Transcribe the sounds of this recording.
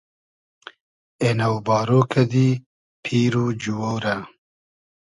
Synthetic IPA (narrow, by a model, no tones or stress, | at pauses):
enɐwbɑːɾoːkʰɐd̪i | pʰiːɾud͡ʒuwowɾa